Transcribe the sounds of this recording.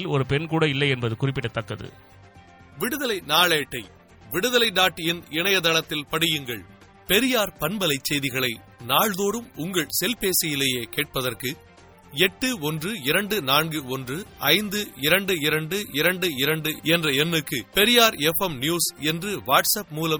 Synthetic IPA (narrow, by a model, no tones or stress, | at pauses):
lɔɾɯpɛnkuːɽɐɪlːɐɪɛnbɐðɯkʊrɪpːɪʈːɐt̪ːɐkːɐðɯ̰ | ʋɪɽɯðɐlɐɪnaːɭeːʈːɐɪ | ʋɪɽɯðɐlɐɪd̪aːʈːɪnɪɳɐjɐt̪ɐɭɐt̪ːɪlpɐɽɪjɯŋɡɐɭ | pɛɾɪjaːɾpɐnbɐlɐɪt͡ʃːɛjðɪɣɐɭɐɪ | naːɭðoːɾɯmʊŋɡɐɭsɛlpeːsɪjɪleːjeːkeːʈ̚pɐðɐrkɯ | ɛʈːɯɔndrɯɪɾɐɳɖɯnaːnɡɯɔndrɯʔɐɪnd̪ɯɪɾɐɳɖɯɪɾɐɳɖɯʔɪɾɐɳɖɯɪɾɐɳɖɯɛndrɐɛnːɯkːɯpɛɾɪjaːɾɛfɛmnjuːsɛndrɯʋaːʈsɐp̚muːlɐm